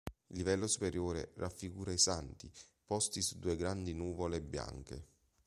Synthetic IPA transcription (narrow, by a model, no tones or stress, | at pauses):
ilːivɛlːosupeɾjoːɾḛrʔafːiɡuːɾaisant̪i | pɔst̪isud̪ːuːeɡɾand̪inuːvolebːja̰ŋkḛ